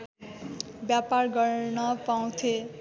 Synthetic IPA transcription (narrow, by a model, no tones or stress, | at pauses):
bjaparɡʌɾnʌpaw̃t̪ʰe